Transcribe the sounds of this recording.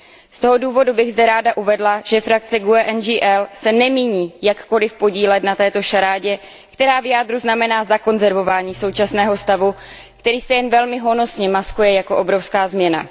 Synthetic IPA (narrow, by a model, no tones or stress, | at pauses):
st̪o̞ɦo̞duːvo̞dubɪɣzdɛɾaːdaʔuvɛdlaʒ̥ɛfɾak̚t͡sɛɡuɛʔɛnd͡ʒiːʔɛlsɛnɛmiːɲiːjakːo̞lɪfpo̞ɟiːlɛt̪nat̪ɛːt̪o̞ʃaɾaːɟɛ | kt̪ɛɾaːvɪjaːd̪ɾuznamɛnaːzako̞nzɛɾvo̞vaːɲiːso̞wt͡ʃasnɛːɦo̞st̪avu | kt̪ɛɾiːsɛjɛnvɛlmɪɦo̞no̞sɲɛmaskujɛjako̞ʔo̞bɾo̞fskaːzmɲɛna̰